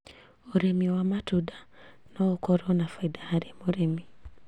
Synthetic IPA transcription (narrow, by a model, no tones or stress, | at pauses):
oɾɛmiwamatudanɔokɔɾɔnafaidahaɾemoɾɛmi